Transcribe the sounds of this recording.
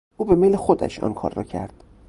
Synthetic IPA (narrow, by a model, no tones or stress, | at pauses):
ʔuːbe̞mejlexod̪æ̰ʃɒ̰ːnkʰɒ̰ːɾːɒ̰ːcʰæ̰ɾd̪̥